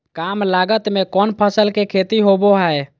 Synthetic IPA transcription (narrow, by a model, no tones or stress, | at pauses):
kamlaɡət̪mekɔːnpʰəsəlkekʰet̪iɦoboɦae